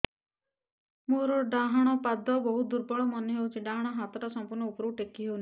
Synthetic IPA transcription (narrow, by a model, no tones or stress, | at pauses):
moɾɔɖaɦaɽ̃ɔpad̪ʱɔbɔɦud̪uɾbɔɭɔmɔneɦewt͡ʃiɖaɦaɽ̃ɔɦat̪ɔʈɔsɔmpuɾnɔupɾɔuʈekːiɦewna